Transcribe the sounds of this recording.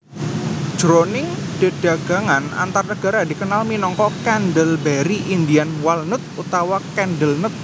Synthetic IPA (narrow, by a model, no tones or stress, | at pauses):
d͡ʒ̥ɾonɪŋd̥e̤ɖ̥a̤ɡ̥a̤ŋana̰nt̪arnəɡ̥aɾadi̤kənalminɔŋkɔkɛnɖəlbɛɾiʔind̪ianwalnʊt̪̚ut̪awakɛnɖəlnʊt̪̚